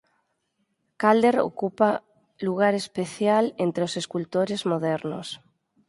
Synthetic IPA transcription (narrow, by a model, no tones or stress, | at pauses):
kald̪eɾo̰kupa | luɣ̞aɾespeθjalent̪ɾeoseskult̪oɾezmoðɛɾno̰s